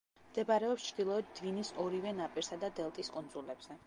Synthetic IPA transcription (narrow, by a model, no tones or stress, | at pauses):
md̪̥ɛbaɾɛɔpst͡ʃʰd̪̥ilˠɔɛd̪̚d̪vinisɔɾivɛnapʼiɾsad̪ad̪ɛlˠt̪ʼiskʼund̪zulɛb̥z̥ɛ